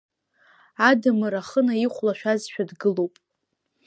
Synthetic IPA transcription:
adɨmɨɾaχənaiχʷlaʃᶣazʃᶣadɡɨlowpʼ

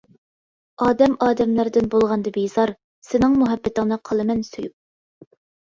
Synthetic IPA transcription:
ɑːd̪ɛmɑːd̪ɛmlæɾd̪ɪnbolˠʁɑnd̪ɨbejzɑɾ | sɪnɪŋmuɦɛbːɪt̪ɪŋnɨqʰɑlˠɨmɛnsojup̚

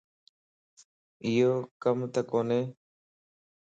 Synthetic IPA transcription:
ɪjoːkəmt̪əkoːneː

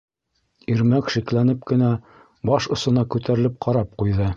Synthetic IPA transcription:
iɾmækʃiklænɘp̚kɘ̆næ | bɑʃŏsɤ̆nɑkʉt̪æɾɘ̆lɘp̚qʰɑɾɑp̚qujðɤ

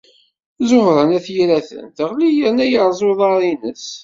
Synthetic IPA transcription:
zʊhɾˤənæθjiɾæθə̰nθəʁlijəɾnæjəɾˤzˤoðˤɑɾˤinəs

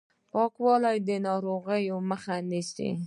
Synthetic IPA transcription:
pɑkwɑlajd̪ənɑɾoɣəjoməxanisḭ

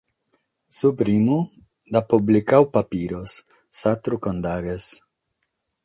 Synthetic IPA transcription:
supɾimu | d̪apublikawpapiɾosː | at̪ɾukond̪aɡes

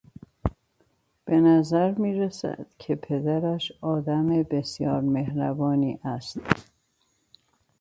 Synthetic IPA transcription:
b̥e̞næzæɾmiːɾesæ̰d̪̥cʰepʰe̞d̪æɾæʃɒːd̪æmebe̞sjɒːɾmehɾæbɒːniːʔæst̪

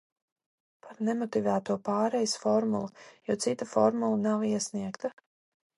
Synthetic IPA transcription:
pʰaɾnemɔt̪ivæːt̪uɔpaːɾɛjsfɔɾmulˠujɔɔt̪sit̪afɔ̰ɾmulˠanaviɛsniɛkt̪a

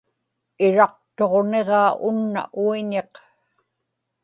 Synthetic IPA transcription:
ɪɻɑq̚t̪o̞ʁne̞ʁɑːʔʊnːa̰ʔuiɲeq

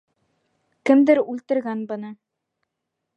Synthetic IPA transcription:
kɘ̆md̪ɘɾʉlt̪ɘ̆ɾɡænbɤ̆nɤ

